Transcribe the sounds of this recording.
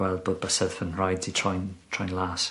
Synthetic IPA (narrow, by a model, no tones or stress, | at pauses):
wɛlˠd̚boːd̚bəsɛðfənɹajdʰitʰɔjntʰrɔjnlˠas